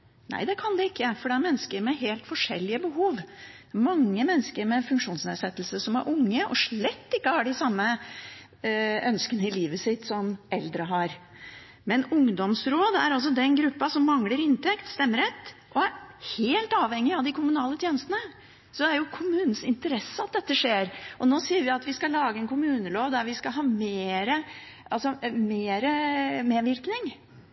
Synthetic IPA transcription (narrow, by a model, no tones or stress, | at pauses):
næ̰ɪd̪ɛkʰɑnd̪ɛɪkːəfɔɖɛæɾmɛnːəskəɾmɛɦeːlt̪fɔʂɛ̰lːɪəbəɦuːʋ | mɑŋːəmɛnːskəɾmɛfʉŋkʂuːnsneːsɛt̪ːəlsəsɔmæ̰ɾʔʊŋːəʔɔ̰ʂɭɛt̪ːɪkːəhɑɖɪsɑmːə | œnskənəɪliːʋəsɪt̪sɔmɛld̪ɾəɦɑɾ | mɛnʊŋd̪ɔmsɾoːd̪æɾɑlsɔd̪ɛnɡɾʉpːɑsɔmːɑŋləɾɪnt̪ʰɛkt̪st̪ɛmːəɾɛt̪ːʔɔæɾheːlt̪ɑːʋhɛŋːɪɑʋd̪ɪkʰʊmʉnɑːlət̪ʰjeːnəst̪ənə | sɔæɾjʊkʰʊmʉːnn̩sɪnt̪əɾɛsːəɑt̪̚d̪ɛt̪ːəʂeːɾʔɔnoːsiːəɾʋɪɑt̪ʋɪskɑlɑːɡəɛnkʰʊmʉːnəloːʋd̪æɾʋɪskɑɦɑːmeːɾə | ʔɑlsɔmeːɾəmeːʋɪɾknɪŋ